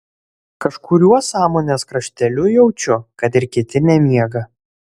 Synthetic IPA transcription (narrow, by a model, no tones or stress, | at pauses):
kɐʃkʊɾʲuɔsɑːmoːnʲeːskɾɐʃʲt̪ʲɛlʲʊjɛʊt͡ʃʲʊkɐt̪ɪɾkʲɪt̪ʲɪnʲɛmʲiɛɡɐ